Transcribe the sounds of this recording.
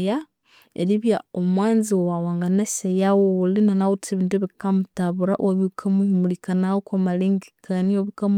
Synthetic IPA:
ja | ḛɾiβjaomwaːnziowawaːŋɡanasajawoolinanawutʰeβiːntueβikamutaβuɾa̰ʔwaβikʰamumulikanaokwamaleŋɡi̥kʰanioβikam

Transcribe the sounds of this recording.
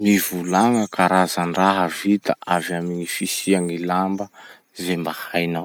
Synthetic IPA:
mivulaŋəkaɾazanraɦəvit̪aʔavamiŋifisiaŋilambə | zembahajnaw

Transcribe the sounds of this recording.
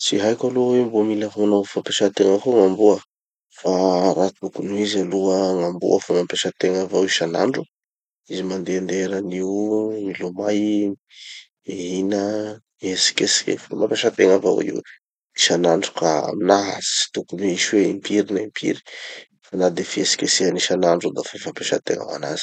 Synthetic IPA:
t͡siɦajkʲalowembomilafamanawfampeʃat̪eŋəkoŋambuə | faɾat̪ukunuizaluəŋambṵəfomampeʃat̪eŋavawiʃana̰ɳɖ͡ʐu | izimand̪eand̪eɾəniwmilumaj | eɦinə | esi̥keskḛfomampeʃət̪eŋava̰wḭw | iʃanaɳɖ͡ʐu̥kaa̰minaɦa̰zi̥i̥t̪ukuneiʃweimpʰiɾinaimpʰḭɾi̥ | fanad̪efiesi̥kesianiʃanaɳɖ͡ʐud̪afafampeʃə̰t̪ḛŋa̰wa̰na̰z̥i̥

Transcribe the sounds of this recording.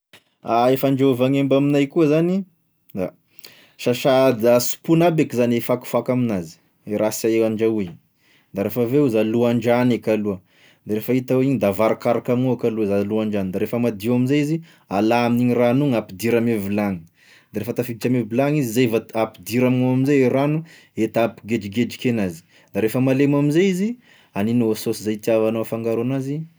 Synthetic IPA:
aefaɳd͡ʒauvaŋembaminajkuəzani | d̪a | ʃaʃad̪asu̥punabekizanefaku̥fakaminazi̥ | ɾasaeaɳd͡ʒauiɲ | d̪aɾefaveuzaluaɳd͡ʒanekaluə | d̪aɾefait̪awiɲid̪avaɾakaɾakamiuakaluəzaluaɳɖ͡ʐanid̪aɾefəmad̪iwaminzajizi | alaamniɲiranuŋapid̪iɾamevilaŋi̥ | d̪̥aɾefət̪afit͡ʃamevilaŋizizajvaapid̪iɾamŋaamizejeɾanu | et̪apiɡed͡ʒiɡed͡ʒikenazi̥ | d̪aɾefəmalemamizeizi | aninoososizajt̪iavanafaŋɡaɾonazi

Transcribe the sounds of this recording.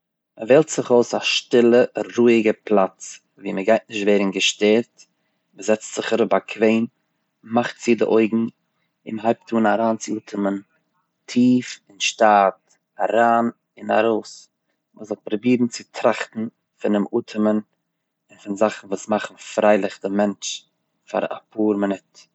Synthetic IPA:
məvɛːlˠtz̥ɪχoʊsaʃtɪlˠəɾuːɪɡəplˠat͡s | viːməɡaɪt̚nɪʃtveːɾn̩ɡəʃtɛɾt | məzɛt͡stz̥ɪχəɾʊp̚bakʰveɪn | maχtz̥ɪdɪ̰ʔoɪɡŋ̩ | ɪmɦaɪp̚tʰuːnaɾaːnt͡sɪuːtʰəmən | tʰiːfɪnʃtat | aɾaːn | ɪna̰ɾoʊs | məzʊk̚t̚pɾɔbiːɾn̩t͡sɪtʰɾaχtn̩ | fɪnɪmuːtʰəmən | ɪnfɪnzaχn̩vuːsmaχn̩fɾaɪlˠɪχdɪmɛnt͡ʃ | fa̰ɾa̰pʰuːɾmɪnɪt

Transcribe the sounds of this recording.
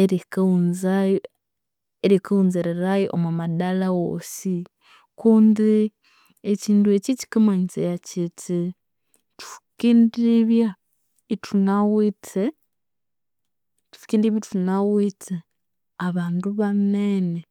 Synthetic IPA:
eɾikaunzaj | eɾikauːnziɾeɾajeʔo̰mumadalawo̰ːsi | kuːndi | eciːndue̞cici̥kamaɲit͡sḛjacitʰi | tu̥fi̥kindiβja | itʰunawitʰe | tu̥fi̥kiːndiβjatunawitʰe | aβaːnduβanene

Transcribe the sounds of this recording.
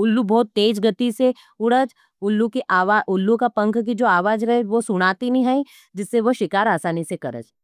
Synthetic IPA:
ʊlːubɔːt̪ːeːd͡ʒɡɐt̪ise | ʊɽəd͡ʒ | ʊlːukiʔaːʋaːʔʊlːũkapɐ̃ŋkk̬id͡ʒoːaːʋaːd͡ʒɾɐɦeʋosʊɽ̃aːt̪inɦĩɦaĩ | d͡ʒɪsːeʋɐʃɪkaːɾaːsaːnisekɐɾə̰d͡ʒ

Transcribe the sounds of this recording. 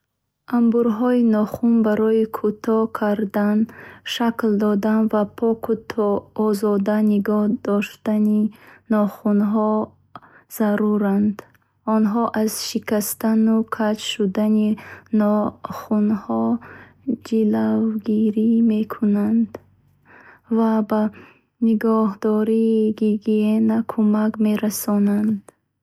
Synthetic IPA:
ʔambuɾɦɔinɔχunbaɾɔikʰut̪ʰɔkʰaɾd̪anʃakld̪ɔd̪anvapʰɔkut̪ʰɔːzɔd̪aniɡɔhd̪ɔʃt̪aninɔχunɦɔ | z̥aɾuɾand̪ | ɔnɦɔʔazʃikast̪anukʰat͡ʃʃud̪aninɔχunhɔ | d͡ʒilavɡiɾimekʰunand̪ | vaba | niɡɔɦd̪ɔɾiːɡiɡienakʰumakmeɾasɔnand̪̥

